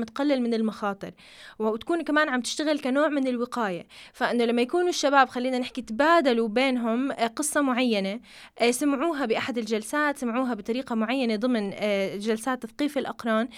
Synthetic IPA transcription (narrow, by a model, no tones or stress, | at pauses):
mt̪qalːɪlmɪnɪlmaxɑːt̪ˤɨɾ | wwt̪ḁkuːnkamaːnʕamt̪ɪ̥ʃt̪aɣɪlkanoːʕmɪnɪlwɪqaːjafaʔɪnːolamːajakuːnʊʃːabaːbxalːiːnanɪħkit̪baːd̪alubeːnɦʊmqɨsˤːɑmʊʕajːane | samʕuːɦabɪʔaħad̪ɪlʒalsaːt̪samʕuːɦabɨt̪ˤɑɾiːqɑmʊʕajːaned̪ˤɨmnʒalsaːt̪ːaθqiːfɪlʔɑqɾˤɑːn